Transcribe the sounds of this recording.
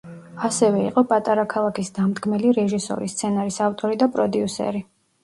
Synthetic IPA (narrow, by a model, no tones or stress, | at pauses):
asɛvɛḭqʼɔpʼat̪ʼaɾakʰalˠakʰisd̪amd̪ɡmɛliɾɛʒisɔ̰ɾist̪sʰɛnaɾisaft̪ʼɔɾid̪apʼɾɔd̪iusɛ̰ɾi